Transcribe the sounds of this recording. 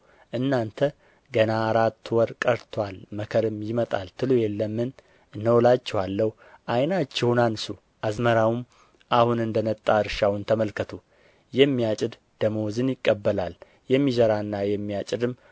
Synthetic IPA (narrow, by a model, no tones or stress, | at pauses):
ʔɨnːant̪ʰə | ɡənaːɾat̪ːwɔɾkʼəɾt̪ʰwalməkʰəɾɨmjɪmət̪ʼa̰lt̪ʰɨlujɛlːəmːɨn | nːəwlat͡ʃːɛhalːəh | ʔajnat͡ʃːɛhunansu | ʔazməɾawum | ʔahunɨnd̪ənət̪ʼːaɨɾʃawʊnt̪ʰəməlkʰət̪ʰu | jɛmːijat͡ʃʼɪd̪ | d̪̥əmo̞zɨnjɪkʼːəbːəlal | jɛmːizəɾaɨnːajɛmːijat͡ʃʼɪd̪ɨm